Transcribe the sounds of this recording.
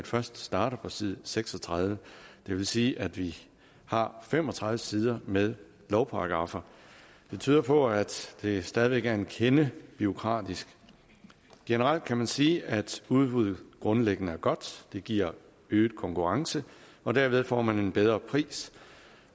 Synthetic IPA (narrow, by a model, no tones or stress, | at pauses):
ed̥fɶɐsd̥sd̥ɑ̈ːɾ̥ɐpʰɒ̽sið̞̰ˠseɡ̥sɒ̽t͡sʰʁɑð̞ˠʋəd̥e̝ʋe̝lsiːʔæd̥ʋi | hɑ̈fem̰ɒ̽t͡sʰʁɑ̈ð̞ˠʋəsiːð̞ˠɐmeðˠ | lɒʊpʰɑ̈ɑɡ̥ʁɑ̈fɐ | d̥e̝̥t͡sʰy̰ːðˠɐpʰɒ̽æd̥d̥e̝sd̥ɛːð̞ˠiʋeɡ̥æɐenkʰenəb̥io̝kʰʁɑ̰̈ːd̥isɡ̥ | ɡ̥enəʁal̰d̥̚kʰæmænsiːæd̥uðˠb̥uð̞̰ˠð̩ˠɡ̥ʁɔ̽nleɡ̥ənəæɐɡ̥ɒ̽d̥d̥e̝ɡ̥iɐ̰ | øːð̩ˠkʰɒ̽ŋkʰuʁɑ̈ŋsəɒ̽d̥æɐʋe̝ð̞ˠfɒ̰ːmæne̝nb̥eð̞ˠʁɐpʰʁḭːs